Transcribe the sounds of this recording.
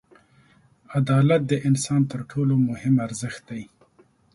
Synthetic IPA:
ad̪ɑlat̪̚d̪əʔɪnsɑnt̪əɾʈʰolomʊhɪmaɾzəxt̪̚d̪aj

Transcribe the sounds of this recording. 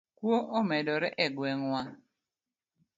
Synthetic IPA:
kwoʔomɛdɔɾɛʔɛɡwɛŋwa

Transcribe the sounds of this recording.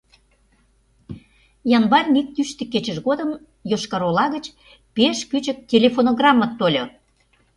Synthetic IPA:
jɑnbɑrʲnik̚t̪yʃt̪ĕkːet͡ɕə̆ʃɣod̪ə̆m | joʃkɑɾolɑɣət͡ɕ | peʃkyt͡ɕə̆k̚tʲelʲefonoɣrɑmːət̪ːolʲo

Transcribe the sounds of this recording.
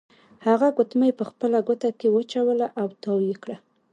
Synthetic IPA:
haɣaɡʊt̪majpəxpəlaɡʊt̪akewət͡ʃawəlaʔawt̪awikɽa

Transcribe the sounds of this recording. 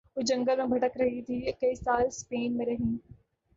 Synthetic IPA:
od͡ʒɐ̃ŋɡəlmẽbʱɐʈəkɾɐɦit̪ʰikɐisaːlspeːnmẽɾɐɦĩː

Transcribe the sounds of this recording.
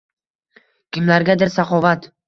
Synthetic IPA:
kʲʰɪmlaɾɡʲad̪ɪɾsaχɒvat̪

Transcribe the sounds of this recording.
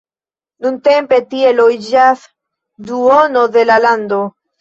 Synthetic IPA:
nunte̞mpe̞tie̞loid͡ʒas | duono̞de̞laland̪o

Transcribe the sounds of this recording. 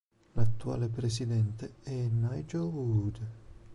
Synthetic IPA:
lat̪ːua̰ːlepɾes̬id̪ɛnt̪eɛnːajd͡ʒovuud̪

